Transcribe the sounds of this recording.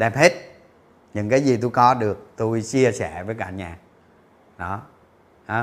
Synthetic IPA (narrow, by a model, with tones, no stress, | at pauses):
ɗɛ˨˩p̚he˦˥t̚ | ɲɨ̰˧˥ŋkaː˨˦jzi˨˩t̪u˧jkɔ˨˦ɗɨ˨˩ək̚t̪u˧jt͡ɕi˧əsɛ˧˩vəː˨˦jka̰ː˧˩ɲaː˨˩ | ɗɔ˨˦ | haː˨˦